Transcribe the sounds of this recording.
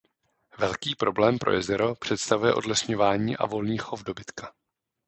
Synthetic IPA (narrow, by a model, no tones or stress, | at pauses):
vɛlkiːpɾo̞blɛːmpɾʔo̰jɛzɛɾo̞pr̥ɛt̪st̪avujɛʔo̞dlɛsɲo̞vaːɲiːʔa̰vo̞lniːxo̞fdo̞bɪt̪kḁ